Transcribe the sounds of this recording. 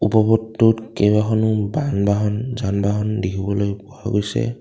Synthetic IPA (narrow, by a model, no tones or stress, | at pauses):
upɔbɔtːutkebaxɔnʊbanbaɦɔnzanbaɦɔndikʰibɔlojpɔaɡojsɛ̰